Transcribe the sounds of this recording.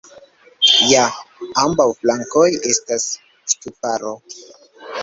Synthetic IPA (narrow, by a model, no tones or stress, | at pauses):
jaambawflaŋko̞je̞stas | stupaɾo̞